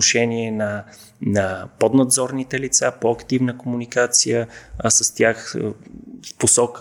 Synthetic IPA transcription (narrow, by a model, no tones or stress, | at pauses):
noʃɛniɛnɐ | nɐpod̪nɐd̪zɔɾnit̪ɛlit̪sapoɐkt̪ivnəkomunikat̪sijəsəst̪ʲjax | fposɔkə